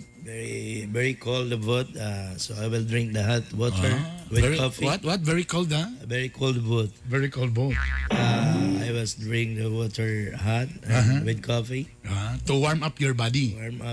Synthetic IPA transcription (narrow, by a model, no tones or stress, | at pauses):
vɛɹivɛɹikʰold̪but̪asoajwɪld̪ɹɪ̃ŋk̚d̪ɐɦat̪wɔtʰɛɹwɪdɹkɔfiwat̪wɔt̪̚vɛɹikold̪avɛɹikʰold̪but̪̚vɛɹikɔld̪̚bot̪aajwɪlsd̪ɹĩŋk̚d̪əwɔt̪ʰɛɹhat̪̚ɦawɪd̪̚kʰɔfi | at̪uwaɹmapjɔɹbad̪iwaɹma